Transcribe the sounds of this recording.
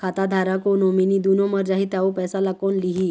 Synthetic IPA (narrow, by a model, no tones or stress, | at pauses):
kʰat̪ad̪ʱaɾakonominiːd̪unoməɾd͡ʑaɦit̪aʋopɛjsalakonliɦi